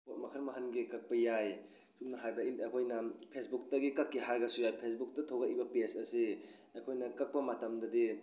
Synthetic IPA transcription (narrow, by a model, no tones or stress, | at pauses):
otmɐkʰɐɾmaɦɐnɡikɐk̚pɐjaj | sup̚nɐɦajbɐinakʰojnɐpʰesbuk̚tɐɡikɐkːiɦaɾɡɐsujajpʰesbuk̚tɐtʰoɡɐʔibɐpesɐsi | akʰojnɐkɐk̚pɐmatɐmdɐdi